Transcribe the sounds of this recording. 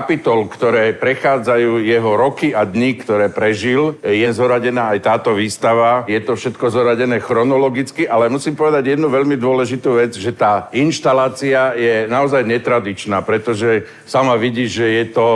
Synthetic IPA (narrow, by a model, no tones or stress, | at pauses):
pit̪ɔlkt̪ɔɾɛːpɾɛxaːd͡zajuːjɛɦɔɾɔkiad̪ɲikt̪ɔɾɛːpɾɛʒiljɛzɔɾaɟɛnaːajt̪aːt̪ɔʋiːst̪aʋajɛt̪ɔfʃɛt̪kɔzɔɦɾaɟɛnɛːxɾɔnɔlɔɡit͡skiʔalɛmusiːmpɔʋɛd̪aɟjɛd̪nuʋɛʎmid̪ʊɔlɛʒit̪uːʋɛd͡zʒɛt̪aːinʃt̪alaːt͡siajɛnaɔzajɲɛt̪ɾad̪it͡ʃnaːpɾɛt̪ɔʒɛ | samaʋiɟiːʒɛjɛt̪ɔ